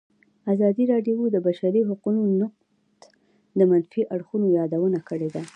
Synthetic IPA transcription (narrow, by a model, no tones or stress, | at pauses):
azɑd̪iɾɑɖjowd̪əbaʃaɾiɦaqunonʊq̚ | t̪ | d̪əmanfiʔaɽxunojɑd̪awənakəɽed̪a